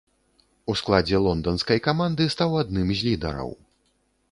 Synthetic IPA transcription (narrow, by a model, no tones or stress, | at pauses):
usklˠad͡zʲɛlˠɔnd̪ɐnskɐjkamand̪ɨst̪awad̪nɨmzʲlʲid̪ɐ̰ɾɐ̰w